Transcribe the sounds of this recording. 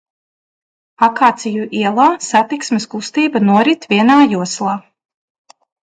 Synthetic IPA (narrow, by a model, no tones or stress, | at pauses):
akaːt̪sʲijuʔiɛlˠaːsat̪iksmʲeskust̪iːbanuɔɾit̪vʲiɛnaːjuɔslˠaː